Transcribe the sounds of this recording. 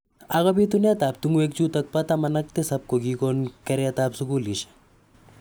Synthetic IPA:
ɐɣɔbit̪unet̪aːb̚t̪uŋuek̚t͡ʃuːt̪ɐk̚pɐt̪amɐnɐk̚t̪esɐb̚koɡikonkɐɾeɐt̪aːpsukuːliʃ

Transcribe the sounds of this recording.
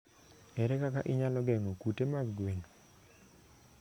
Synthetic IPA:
ɛɾɛkakaʔɪɲalɔɡɛŋokutemaɡɡweno

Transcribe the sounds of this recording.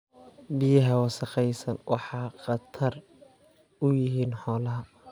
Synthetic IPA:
bɪjɐɦɐwɑsɑqɛjsɐnwɑ̰ħɑːqɑt̪ʰɐr | ʊjɪɦiːnħɔːlɐɦɐ

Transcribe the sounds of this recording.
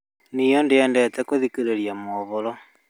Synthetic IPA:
nijɔndeɛːndɛtɛkoðikeɾeɾjamɔβoɾɔ

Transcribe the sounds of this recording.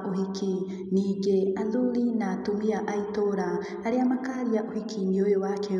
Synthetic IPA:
ʔoɦikʰi | niːɡeanduɾinatumiaʔaitoɾa | aɾeamakaːɾiaʔohikʰimiojowakʰe

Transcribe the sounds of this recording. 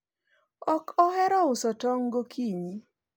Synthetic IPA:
ɔkɔɦɛɾɔʊsɔtɔŋɡokʰiɲi

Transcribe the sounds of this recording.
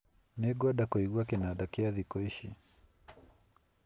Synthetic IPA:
nɛɡwadakɔiɡwakɛnaɗakɛaðikɔiʃi

